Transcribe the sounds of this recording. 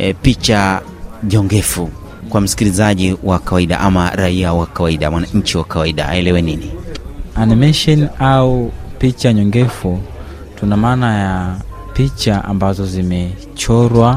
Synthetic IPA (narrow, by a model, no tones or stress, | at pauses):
pit͡ʃa | ɲɔŋɡɛfu | kwam̩si̥kilizaʄiwʔakawaiɗa̰ʔamaɾaiawakawaiɗamwanaɲ̩t͡ʃiwakawaiɗa̰a̰ɛlɛwɛninianimɛʃɔnaupit͡ʃaɲɔŋɡɛfu | tunamaːnaja | pit͡ʃaʔa̰mbazɔzimɛ | t͡ʃɔɾwa